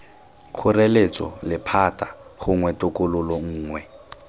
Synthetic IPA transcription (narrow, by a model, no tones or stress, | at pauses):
kʰʊrɛlet͡sʼɔ̰lɪpʰatʼaχʊŋwɛtʊkʊlʊlɔŋ̩ːŋwɛ